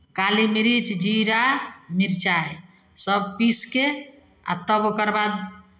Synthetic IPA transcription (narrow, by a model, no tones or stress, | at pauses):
kalimiɾit͡ʃd͡ʒiɾamiɾt͡ʃaj | səbpiske | a̰t̪əbokəɾbad̪